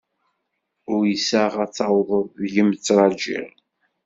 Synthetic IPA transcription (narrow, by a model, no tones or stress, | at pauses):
ʊɾjəsæʁæt͡sːɑwðˤəðˤðʝəmət͡sːɾˤɑd͡ʒḭʁ